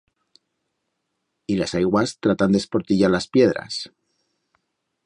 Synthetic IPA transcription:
ilasajɣwast̪ɾat̪and̪espoɾt̪iʝaɾlaspje̞ðɾa̰s

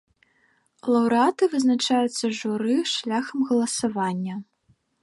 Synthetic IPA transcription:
lˠɐwɾɨat̪ɨvɨznat͡ʂajut̪sːɐʐuɾɨʂlʲaxɐmɣɐlˠɐsavanʲːɐ

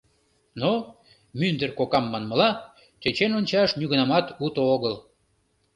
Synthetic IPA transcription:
no | mynd̪ərkokɑmːɑnməlɑ | t͡ɕet͡ɕenonʲt͡ɕɑʃnyɣənɑmɑt̪ut̪ooɣəl

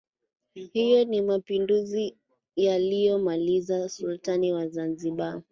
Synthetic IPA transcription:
hijɔnimapinduzi | jalijɔmalizasultaniwazanziɓa

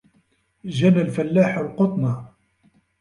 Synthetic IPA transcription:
ʒænalfælːaːħalqot̪ˤnɑ

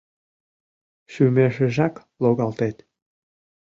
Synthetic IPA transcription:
ʃymeʃĕʒæk | loɣɑlt̪et̪

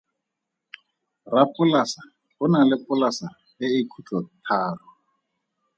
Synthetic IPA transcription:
rapʼʊlasa | bʊnalɪpʼʊlasa | ɪɪkʰut͡ɬʼɔtʰaːrɔ

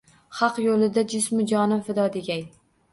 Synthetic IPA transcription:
χɑqjolɪd̪ad͡ʒɪsmʊd͡ʒɒnɪfɪd̪ɒd̪eɡʲaj

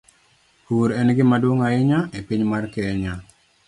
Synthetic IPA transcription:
huɾɛnɡɪmadwoŋaɪɲaepiɲmarkɛːɲa

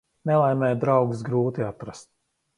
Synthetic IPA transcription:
nɛlˠajmɛːjd̪ɾawɡsɡɾuːt̪iat̪ɾast̪̚

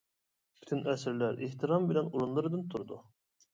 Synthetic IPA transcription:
pʰy̥t̪ʰynʔɛsɪɾlæɾeht̪ʰɨɾɑmbɪlɛnuɾunlˠɨɾɨd̪ɨnt̪ʰuɾud̪u

